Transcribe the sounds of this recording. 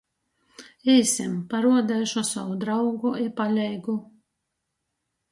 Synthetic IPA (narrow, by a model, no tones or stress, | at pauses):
ɛjsʲɛmpaɾuɔd̪ajʃɔsawud̪ɾawɡuipalʲɛjɡu